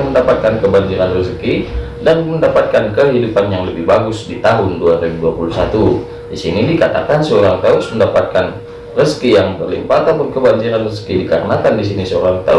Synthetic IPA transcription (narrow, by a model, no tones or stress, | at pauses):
ŋməndapat̪̚kankəbaɲd͡ʒiɾanrəski | danməndapat̪̚kankəɦidupanjaŋləbɪhbaɡʊsdit̪aɦʊnduaɾibuduapulusat̪u | disinidikat̪a̰kansəoɾaŋt̪aʊsməndapat̪̚kan | rəskijaŋt̪ərlḭmpaːt̪apʊnkəbaɲd͡ʒiɾanrəskidikaɾnat̪andisinisəoɾaŋt̪a̰